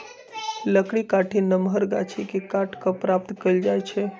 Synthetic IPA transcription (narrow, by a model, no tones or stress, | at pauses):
ləkɽikaʈʰinəmʱəɾɡa̰t͡ʃʰikekaʈʰkəpɾap̚t̪kəld͡ʒajt͡ʃʰɛ